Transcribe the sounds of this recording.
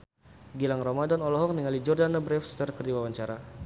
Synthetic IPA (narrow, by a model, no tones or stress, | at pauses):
ɡilaŋrɔmadanɔlɔɦɔk̚niŋalid͡ʒɔrdanabɾɛfst̪ərkərdiwawaɲt͡ʃaɾa